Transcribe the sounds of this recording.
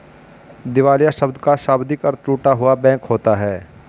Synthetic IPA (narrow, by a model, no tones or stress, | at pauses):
d̪ɪʋaːljaʃɐbd̪kaʃaːbd̪ɪkɐɾt̪ɾuːʈaɦʊabɛ̃ːkɦoːt̪aɦɛː